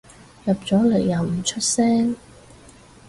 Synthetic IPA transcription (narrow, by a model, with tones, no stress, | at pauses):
jɐ˨p̚t͡sɔː˨˥le˨˩jːɐ˨wm̩˨˩t͡ʃʰɵ˥t̚sɛː˥ŋ